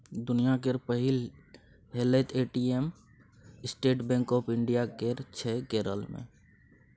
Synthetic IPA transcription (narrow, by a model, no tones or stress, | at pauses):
d̪ʊnijak̬eɾpəɦɪl | ɦeːlet̪ʰeːʈiem | ɪsʈeːʈbɛ̃ːŋkɔːpʰɪɳɖijakeɾt͡ʃʰɛɡeːɾə̰lmḛ̃